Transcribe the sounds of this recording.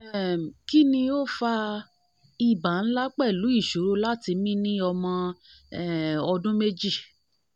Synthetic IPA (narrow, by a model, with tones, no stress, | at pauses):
ɛ˦˨ki˦nĩ˧o˦fa˧ | i˦˨ba˨ñ̩˦la˦k͡pɛ˦˨lu˨˦i˦˨ʃo˨˦ɾo˦la˦ti˧mĩ˦nĩ˦ɔ˧mɔ̃˧ | ɛ˦˨ɔ˧dũ˦me˦d͡ʒi˦˨